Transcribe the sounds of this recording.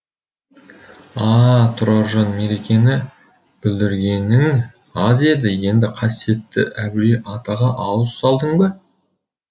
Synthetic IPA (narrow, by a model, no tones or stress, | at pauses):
ɑt̪ʰʊɾɑʒɑnmeɾekʲe̞nɪ | b̥ɪld̪ɪɾɡʲe̞nɪŋ | ɑzied̪ɪje̞nd̪ɪqʰɑsije̞t̪ːɪ̰ʔæbɪɾeʔɑt̪ɑʁɑʔɑwəssɑlˠd̪əɴbə